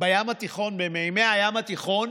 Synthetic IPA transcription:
bajamat̪iχo̞nbemeimeajamat̪iχo̞n

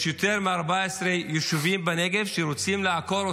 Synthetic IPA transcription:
jot̪e̞ʁmeaʁbaesʁejeʃuvimbaneɡe̞vʃeʁot͡simleako̞ɾo

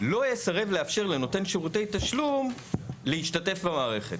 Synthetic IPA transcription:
lo̞jesaʁe̞vleafʃe̞ʁle̞no̞te̞nʃeʁute̞jtaʃlum | leiʃtate̞fbamaːʁe̞χe̞t

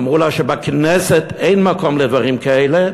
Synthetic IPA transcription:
mʁulaʃɛbaknɛsɛt̪ʰeɪnmakomled̪vaʁimkaele

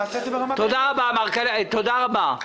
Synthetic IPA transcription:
t̪od̪aʁabamaʁkalt̪od̪aʁaba

